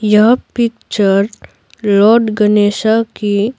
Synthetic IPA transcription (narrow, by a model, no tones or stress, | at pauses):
jɐɦpɪk̚t͡ʃəɾ | lɔːɾɖɡəneːʃaki